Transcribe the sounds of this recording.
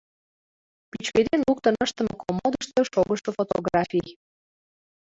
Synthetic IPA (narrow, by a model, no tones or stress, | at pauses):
pyt͡ɕked̪enluk̚t̪ə̆nəʃt̪ə̆mə̆komod̪əʃt̪ɤʃoɣəʃofot̪o̰ɣrɑfʲij